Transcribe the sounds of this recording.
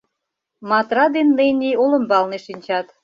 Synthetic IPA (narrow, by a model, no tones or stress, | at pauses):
mɑt̪rɑd̪enːəjnʲiolə̆mbɑlneʃinʲt͡ɕɑt̪